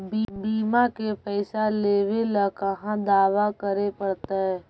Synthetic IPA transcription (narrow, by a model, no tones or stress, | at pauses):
bbiːmakepɛɪsaleːʋelakəɦãd̪aːʋakəɾepəɽt̪aɦɛː